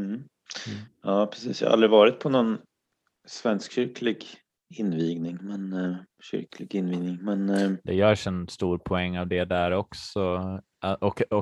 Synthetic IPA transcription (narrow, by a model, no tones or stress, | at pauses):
jɑːpʰɾɛsḭːsjɑ̰ha̰ʔa̰ld̪ɾɪvɑːɾɪt̪̚pʰɔnɔn | svɛnskɕʏɾkʰlɪɡ | ɪnːviːɡnɪŋmɛn | ɕʏ̰ɾkʰlɪɡɪnviːɡ̪nɪŋmɛnd̪̥ɛjœːʂɛnst̪uːɾpʰɔɛŋːavd̪ɛd̪æɾɔksɔ | ʔɔkɔ